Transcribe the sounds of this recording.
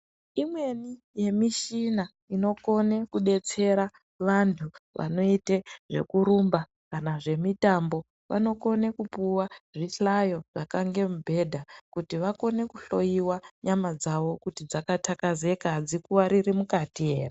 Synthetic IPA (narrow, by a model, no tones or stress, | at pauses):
imwe̞ni | je̞miʃina | ino̞ko̞ne̞kuɗe̞t͡se̞ɾa | ʋantʰuʋʔa̰no̞iteʐe̞̰kuɾumba | kanaʐe̞mitambo̞ | ʋʔa̰no̞ko̞ne̞kupuwaʐiɬajo̞ʐakaŋɡe̞mubʱe̞dʱakutiʋako̞ne̞kuɬo̞jiwaɲamad͡zaʋo̞kutid͡zakatakaze̞kad͡zikuwaɾiɾimukatije̞ːre